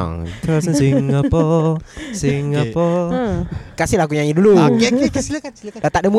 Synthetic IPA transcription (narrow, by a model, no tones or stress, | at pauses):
ŋt̪asənsiŋapɔ | siŋapɔ | kasilakuɲaɲidulukk | dat̪aʔdəmu